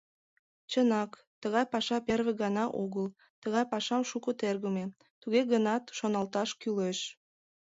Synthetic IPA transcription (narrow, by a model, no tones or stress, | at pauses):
t͡ɕənɑk | t̪əɣɑjpɑʃɑperβeɣɑnɑʔoɣəl | t̪əɣɑjpɑʃɑmʃukət̪erɣəme | t̪uɣeɣənɑt̪ʃonɑlt̪ɑʃkyleʃ